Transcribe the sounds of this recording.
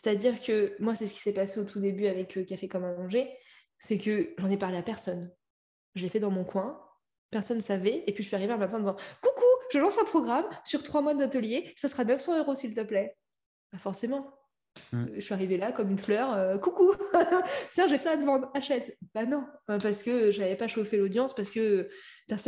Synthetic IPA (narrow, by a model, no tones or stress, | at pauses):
se̥t̪ad̪iʁkəmwasɛsə̥kʲi̥sɛpaseot̪ʰud̪ebyavɛkkafɛkɔmɛ̃nɑ̃ʒe | sɛkəʒɑ̃nɛpaʁleapɛʁsɔn | ʒəlefɛd̪ɑ̃mɔ̃kwɛ̃ | pɛʁsɔnːsavɛːpɥiʒəsɥiaʁiveɑ̃mɛmt̪ɑ̃d̪izɑ̃kukuʒəlɑ̃sɛ̃pχɔɡʁamsyʁt̪χwamwad̪at̪əljesasəʁanœfsɑ̃øʁosilt̪əplɛ | b̥afɔʁsemɑ̃ | ʒəsɥiaʁivelakɔmynflœʁøkuku | t̪jɛ̃ʒɛsaːd̪əmɑ̃d̪ʁaʃɛt̪b̥anɔ̃apaʁsə̥kəʒavɛpaʃofelod̪jɑ̃spaʁsə̥kəpɛʁsɔ